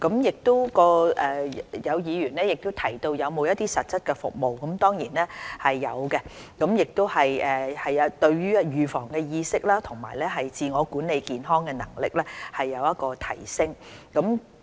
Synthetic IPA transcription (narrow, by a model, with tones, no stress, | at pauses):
kɐ˨˥mjɪ˨k̚t̪o˥wkɔː˧ʔɛː˨jɐ˨˧wjiː˨˧ɥyː˨˩nlɛː˥jɪ˨k̚t̪o˥wt̪ʰɐ˨˩jt̪o˧wjɐ˨˧wmo˨˧wjɐ˥t̪iː˥sɐ˨t̚t͡sɐ˥t̚kɛ˧fʊ̰˨k̚mo˨wkɐ˨˥mt̪ɔː˥ŋjiː˨˩nɛː˥hɐ˨jːɐ˨˧wkɛ˧kɐ˨˧˥mjɪ˨k̚t̪o˥whɐ˨jʔɛː˨hɐ˨jɐ˧t̪ɵ˧ɥɥyː˥jyː˨˩fɔː˨˩ŋkɛː˧jiː˧sɪ˥k̚laː˥t̪ʰʊ˨˩ŋma̰ː˨˩jlɛ˥ɦɐ˨jt͡siː˧ŋɔː˨˧kuː˨˥nːe˨˧jkiː˨nɦɔː˥ŋkɛ˧nɐ̰˨˩ŋlɪ̰˨k̚lɛː˥hɐ˨jːɐ˨˧wjɐ˥t̚kɔː˧t̪ʰɐ˨˩jsɪ˥ŋkɐ˨˥m